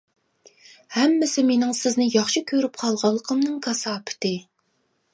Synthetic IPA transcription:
hɛmːɪsɪmenɪŋsɪznɪjɑχʃikʲʰøɾyp̚qʰɑlˠʁɑlˠːəqʰəmnɨŋkʰɑsɑːpʰɪ̥t̪ɨ

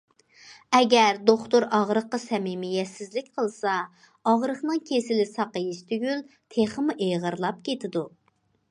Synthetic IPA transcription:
ɛɡʲɛɾd̪oχt̪oɾɑʁɾəqːɑsɛmimɪjɛt̪sɪzlɪkʲqʰəlˠsɑ | ɑʁɾəχnɨŋkʲʰesɪlɪsɑqəjiʃt̪ʰyɡʲyl | t̪ʰeχəmuʔejʁəɾlˠɑp̚kʲʰet̪ʰɪd̪u

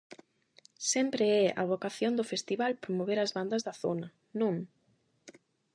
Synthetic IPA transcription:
sɛmpɾeɛʔɐ̰βokaθjond̪ʊfest̪iβalpɾomoβeɾɐzβand̪ɐzðɐθonɐ | nõŋ

